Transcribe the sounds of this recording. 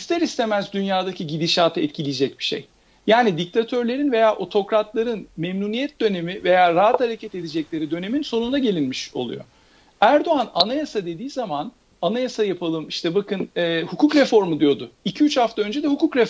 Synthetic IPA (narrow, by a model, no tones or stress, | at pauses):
ist̪ʰɛɾist̪ʰe̞mæzd̪ynjaːd̪acʰiɟid̪iʃaːt̪ʰɯɛt̪cʰilʲijd͡ʒɛc̚bi̥ʃḛj | jaːnid̪ic̚t̪ʰat̪ʰø̞ɾlʲe̞ɾinve̞jaːʔo̞t̪ʰo̞kɾat̪lˠaɾɯnmɛmnuːnijɛt̪̚d̪ø̞ne̞mive̞jaːɾaɦat̪haɾecʰɛt̪e̞d̪ed͡ʒɛclʲe̞ɾid̪ø̞ne̞minso̞nund̪aɟelʲinmiʃo̞̰lˠṵjo̞̰ | æɾd̪o̞ananajasad̪e̞d̪iːzaman | anajasajapʰalˠɯmiʃt̪ʰɛbakɯnɛːhukʰuːkɾefo̞ɾmɯd̪ijo̞d̪ʊicʰiyt͡ʃhaft̪aø̞nd͡ʒed̪ɛhukʰukɾef